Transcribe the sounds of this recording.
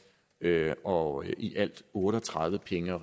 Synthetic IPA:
øɒ̽ʔiʔæl̰d̥ɔ̽ːɾ̥əɒ̽t͡sʰʁäð̞ˠʋəpʰeŋə

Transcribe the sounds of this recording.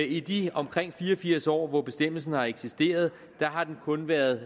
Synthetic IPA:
id̥iɒ̽mkʰʁeŋ̰fiːɐɒfiɐ̰sɒ̰ːʋɒb̥e̝sd̥em̰l̩sn̩hɑ̈e̝ɡ̥sisd̥e̝̰ːɐð̞̩ˠ | d̥ɑ̈ɦɑ̈d̥enkʰɔ̽nʋæːɐðˠ

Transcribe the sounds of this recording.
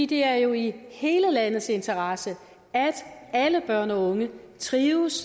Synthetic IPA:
id̥e̝æɐjo̝ihe̝ːləlæn̰ð̞̩ˠse̝nt͡sʰɐʁɑ̈sə | æd̥æləb̥ɶɐ̰nɒ̽ɔ̽ŋə | t͡sʰʁiːʊs

